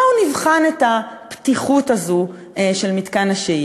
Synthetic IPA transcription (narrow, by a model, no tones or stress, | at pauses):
univχanetaptiχutazu | eʃelmitkanaʃe